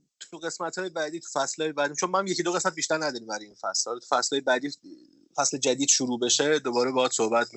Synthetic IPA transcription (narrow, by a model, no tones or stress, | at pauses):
t̪ʰuɣe̞smæt̪hɒːjebæːd̪iːt̪ʰu̥fæslɒːjebæːd̪imt͡ʃʰonmææmjecʰid̪oɣe̞smæt̪̚biʃt̪æɾnæd̪ɒːɾimbæɾjinfæslhɒːlt̪ʰu̥fæslɒːjebæːd̪iː | fæsle̞d͡ʒæd̪iːd̪̥ʃuɾuːbe̞ʃed̪obɒːɾebɒːt̪sohbæt̪